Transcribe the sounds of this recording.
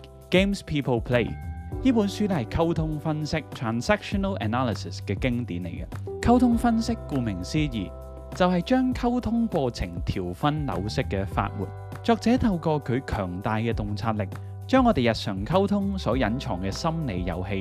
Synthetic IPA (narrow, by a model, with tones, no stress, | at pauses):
ke˥mspʰiː˥pʰo˥wpʰle˥jjiː˥puː˨˥nsyː˥tɛ˥hɐ˨jkʰɐ˥wt̪ʰʊ˥ŋfɐ˥nsɪ˥k̚t̪ʰɹaː˨nsæː˥k̚ʃɔ˧nɐ˥lɐ̰˨naː˥lɪ˨sɪ˨skɛː˧kɪ˥ŋt̪iː˨˥nle˨˩jkɐ˧kʰɐ˥wt̪ʰʊ˥ŋfɐ˥nsɪ˥kːuː˧mɪ˨˩ŋsiː˥jḭː˨˩ | t͡sɐ˨wɦɐ˨jt͡ʃœː˥ŋkʰɐ˥wt̪ʰʊ˥ŋkʷɔː˧t͡sʰɪ˨˩ŋt̪ʰiː˨˩wfɐ˥nlɐ̰˨˧wsɪ˥kːɛ˧fa̰ː˧t̚wṵː˨˩t̚ | t͡ʃɔː˨k̚t͡sɛː˨˥t̪ʰɐ˧wkɔː˧kʰɵ˨˧ɥkʰœː˨˩ŋt̪aː˨jkɛː˧t̪ʊ˨ŋt͡sʰaː˧t̚lɪ˨k̚ | t͡ʃœː˥ŋːɔː˨˧d̪e˨jɐ˨t̚sœː˨˩ŋkʰɐ˥wt̪ʰʊ˥ŋsɔː˨˥jɐ˨˥nt͡ʃʰɔː˨˩ŋkɛ˧sɐ˥mne˨˧jjɐ̰˨whe˧j